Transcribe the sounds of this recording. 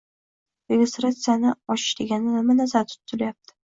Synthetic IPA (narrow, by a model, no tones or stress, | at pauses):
ɾeɡʲest̪ɾat̪sɨjanɪɒʃɪ̥ʃd̪ɪɡʲanɪnamanazaɾt̪ʰʊ̥t̪ʰːʊlajap̚t̪ʰɪ̥